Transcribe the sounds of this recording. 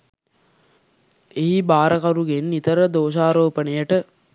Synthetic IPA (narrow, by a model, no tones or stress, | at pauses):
eɦibaːɾəkaɾuɡenːit̪əɾəd̪oːʃ̬aːɾoːpənejəʈə